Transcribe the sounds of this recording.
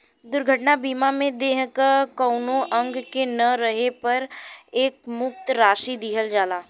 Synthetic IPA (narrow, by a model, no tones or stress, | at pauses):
d̪ʊɾɡʱəʈnabiːmamẽd̪eːɦkəkɔʊnoʔɐ̃ŋɡkenɐɾəɦepɐɾeːk̚mʊk̚t̪ɾaːʃid̪iːɦəld͡ʒaːlaː